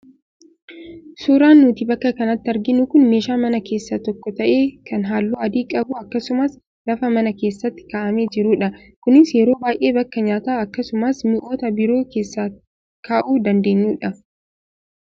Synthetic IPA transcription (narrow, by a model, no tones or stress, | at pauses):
suːɾaːnːuːt̪ibɐkːɐkɐnɐt̪ːɪɐɾɡɪnʊkʊnme̞ːʃaːmɐnɐke̞ːsːɐt̪ɔkːɔt̪ɐʔe̞ːkʰɐnɦaːlːuːɐd̪iːkʼɐbʊɐkːɐsʊmɐs | lɐfɐmɐnɐke̞ːsːɐt̪ːɪ̥kaːʔɐme̞ːd͡ʒɪɾuːᶑɐ | kʊnɪsjɛɾo̞ːbaːjʔe̞ːbɐkːɐɲaːt̪aːɐkːɐsʊmɐsmɪʔo̞ːt̪ɐbɪɾo̞ːke̞ːsːaː | kʰaːʔuːd̪ɐnd̪e̞ːɲːuːᶑɐ